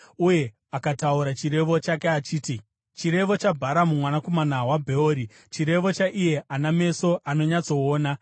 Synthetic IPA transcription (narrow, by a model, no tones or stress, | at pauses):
uje̞ | akatauɾat͡ʃire̞ʋo̞t͡ʃakeat͡ʃiːti | t͡ʃiɾe̞ʋo̞t͡ʃabʱaɾamumwanako̞manawabʱe̞oːɾi | t͡ʃiɾe̞ʋo̞t͡ʃaʔije̞ʔaname̞so̞ʔano̞ɲat͡so̞ːna